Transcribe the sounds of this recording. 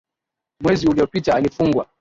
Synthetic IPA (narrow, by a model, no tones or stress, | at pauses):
mwɛziuliɔpitaːlifuŋɡwa